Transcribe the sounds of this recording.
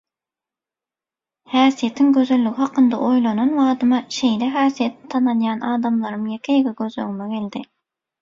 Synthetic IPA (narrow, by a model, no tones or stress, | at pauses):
hæːsije̞t̪ʰiŋɡøzø̞lːyɡiɦɑqɯnd̪ɑ̰ʔojlˠɑnɑnwɑːd̪ɯmɑʃe̞jleɦæːsijet̪t̪ʰːɑnɑnjɑːnɑːd̪ɑmlˠɑɾɯmjekʲʰejeɡeɡøzøŋimeɡe̞ld̪ɪ